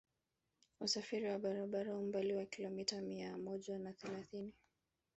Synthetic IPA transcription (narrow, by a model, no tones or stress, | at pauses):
usafiɾiwaɓaɾaɓaɾahum̩baliwakilɔmitamiamɔʄanaθɛlaθini